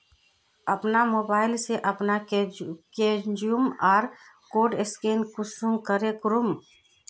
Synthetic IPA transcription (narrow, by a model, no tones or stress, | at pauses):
ɐpnamoːbaːɪlseʔɐpna | kend͡ʒijumaːɾ | koːɖɪskeːnkʊsumkəɾekʊɾʊm